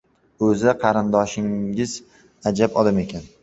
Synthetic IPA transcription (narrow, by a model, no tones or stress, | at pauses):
ɵzɪqʰɑɾɪnd̪ɒʃɪŋɪz | ad͡ʒapɒd̪ame̞kʲʰan